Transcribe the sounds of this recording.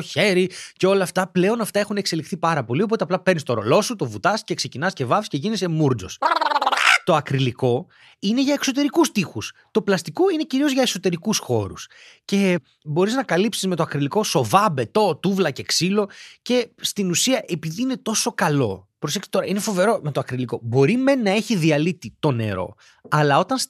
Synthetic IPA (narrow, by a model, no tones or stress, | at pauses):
oçe̞ɾice̞o̞lɐːft̪ɐple̞o̞nɐft̪ɐe̞xunekse̞lixθipɐɾɐpo̞liopo̞t̪eɐplɐpe̞ɾnist̪o̞ɾo̞̰lo̞sut̪o̞vut̪ɐsce̞kse̞cinɐscevɐfisceʝinisemuɾd͡zo̞̰s | t̪o̞ɐkɾiliko̞ | ine̞ʝɐekso̞t̪̬e̞ɾikust̪ixust̪o̞plɐst̪iko̞ine̞ciɾio̞zʝɐeso̞t̪e̞ɾikusxo̞̰ɾus | ce̞ | bo̞ɾiznɐkɐlipsizme̞t̪oɐkɾiliko̞so̞vɐbe̞t̪o̞t̪uvlɐceksilo̞ce̞st̪inusiɐʔe̞piðiine̞t̪o̞sokɐlo̞̰pɾoseçsi̥t̪o̞ɾɐine̞fo̞ve̞ɾo̞me̞t̪oɐkɾiliko̞bo̞ɾime̞nːɐe̞çiðiɐlit̪it̪o̞ne̞̰ɾo̞̰ | ɐlɐo̞t̪ɐns